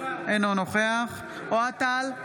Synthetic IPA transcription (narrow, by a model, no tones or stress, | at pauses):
enonoχeaχ | oat̪al